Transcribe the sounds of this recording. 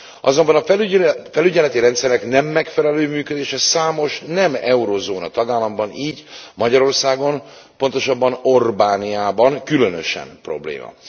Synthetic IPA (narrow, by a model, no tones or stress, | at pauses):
ʔɒzo̞mbɒnɒfɛlyɟɛlɛt̪iɾɛnt̪sɛɾɛknɛmːɛkfɛlɛløːmyːkød̪eːʃɛsaːmo̞ʃnɛmɛuɾozoːnɒt̪ɒɡaːlːɒmbɒniːɟmɒɟɒɾo̞rsaːɡo̞n | po̞nt̪o̞ʃɒbːɒno̞rbaːnijaːbɒŋkylø̞nøʃɛ̰mpro̞̰blḛːmɒ̰